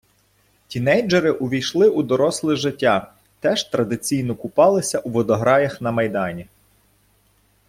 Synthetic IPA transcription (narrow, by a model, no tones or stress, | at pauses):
tʲinɛjd͡ʒɐɾɪʔʊʋʲijʃlˠɪʔud̪ɔɾɔslˠɪʒɪtʲːɑ | t̪ɛʒt̪ɾɐd̪ɪt͡sʲijn̪ɔkʊpɑlˠɪsʲɐʔuʋɔd̪ɔɦɾɑjɐxnɐmɐjd̪ɑnʲi